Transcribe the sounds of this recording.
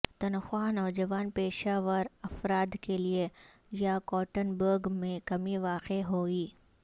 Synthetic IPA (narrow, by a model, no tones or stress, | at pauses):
t̪ɐnxwaːnɔːd͡ʒɐʋaːnpeːʃaːʋəɾɐfɾaːd̪kelie | jakɔːʈənbəɾɡmẽkɐmiʋaːqeɦoːiː